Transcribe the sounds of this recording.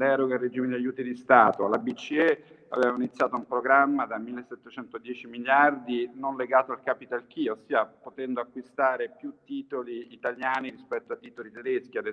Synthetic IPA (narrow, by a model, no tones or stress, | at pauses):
d̪ɛɾoɡairːed͡ʒiːmed̪iajːuːt̪id̪ist̪aːt̪oalabit͡ʃːiɛa̰vevaminit̪sːjaːt̪oumpɾoɡɾamːad̪amilːesːɛt̪ːet͡ʃɛnt̪od̪jɛːt͡ʃimiljard̪inonleɡaːt̪oalkapit̪alk̟iosiːapot̪ɛnd̪oakːwist̪aːɾepjut̪ːiːt̪oliːt̪aljaːniɾispɛt̪ːoat̪ːiːt̪olit̪ed̪eskiad̪ɛ